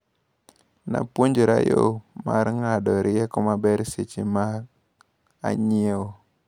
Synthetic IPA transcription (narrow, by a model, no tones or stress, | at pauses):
na̰pwoɲd͡ʒoɾajo̰maɾŋadɔɾɪɛkɔmabɛɾset͡ʃima | a̰ɲɪeo